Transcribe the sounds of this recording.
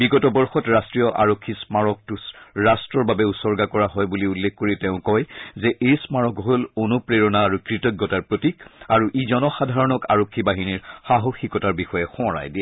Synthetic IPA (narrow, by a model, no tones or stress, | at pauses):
biɡɔtɔbɔɹxɔtɹastɹijɔʔa̰ɹokʰːismaɹɔk̚tusɹastɹɔɹbabɛusɔɹɡakɔɹaɦɔjbuliulːekkːoɹitɛʊ̃kɔjzɛʔejsmaɹɔkɦolonupɹeɹɔnaːɹukɹitɔɡːɔtaɹpɹotikaɹuʔizɔnɔxadʱaɹɔnɔka̰ɹokʰːibaɦiniɹxaɦoxikɔtaɹbixɔjɛxɔ̃ɔ̃ɹa̰jdiɛ